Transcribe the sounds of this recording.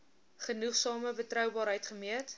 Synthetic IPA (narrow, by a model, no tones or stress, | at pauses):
χənuχsɑːməbətrœwbɑːɾɦəjtχəmiət